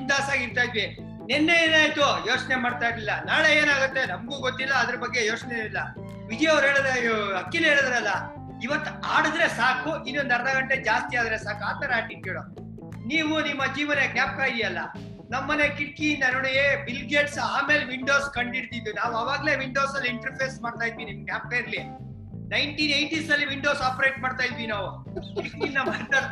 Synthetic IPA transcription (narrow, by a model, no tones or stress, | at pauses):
ɳd̪aːsaːɡiɾt̪aːjd̪ʋi | nɛnːeeːnaːjt̪ujo̞ːt͡ʃnemaːɽt̪ajɾlilːɐnaːɭeeːnaːɡut̪ːe̞nɐmɡuːɡot̪ːilːɐːd̪ɐɾɐbɐɡːe̞jo̞ːt͡ʃneilːɐ | ʋid͡ʒ̪ijɐɐʋɾɦeːɭɐd̪eɐkːilɦeːɭɐd̪ɾɐlːɐ | iʋɐt̪ːuaːɽɐd̪ɾe̞saːkuinːuond̪ɐɾd̪ɐɡɐɳʈed͡ʒaːst̪iaːd̪ɾesaːkaːt̪ɐɾaːʈikeːɭo | niːʋunimːɐd͡ʒiːʋɐneɡnjaːp̚kaːjid̪jɐlːɐ | nɐmːɐnekiʈ̚kiind̪ɐnoːɽebilɡeːʈsaːme̞ːlʋiɳɖoːskɐɳɖiɽt̪id̪unaːʋuɐʋaːɡɐle̞ːʋiɳɖo̞ːsɐlːiiɳʈɐɾpʰeːsmaːɖt̪aːjd̪ʋinimɡnʲjaːp̚kaːjiɾli | nɐjɳʈiːnejʈisɐlːiʋiɳɖo̞ːsaːpɐɾejʈ̚maːɽt̪aːjid̪ʋinaːʋu | kiʈkinːɐmaɾt̪a